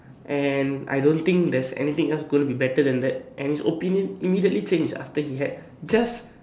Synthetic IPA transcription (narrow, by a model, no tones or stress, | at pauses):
ʔɛ̃nʔa̰jdõnt̪ɪ̃ŋk̚d̪ɛsɛ̰nit̪ɪ̃ŋɛlsɡõj̃ntubibɛtəd̪ɛ̃nd̪ɛt̚ʔɛ̃nhisopĩnjə̃nimidiətlit͡ʃẽnd͡ʒda̰ftəhiɦɛd̚ | d͡ʒas